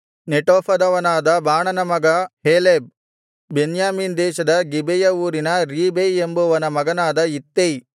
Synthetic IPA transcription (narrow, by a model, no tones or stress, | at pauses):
neʈoːpɐd̪ɐʋɐnaːd̪ɐbʱaːɳɐnɐmɐɡɐɦeːleb̚ː | enjaːmiːnd̪ɛːʃɐd̪ɐɡibɛjɐuːɾinɐɾiːbeembuʋɐnɐmɐɡɐnaːd̪ɐit̪ːej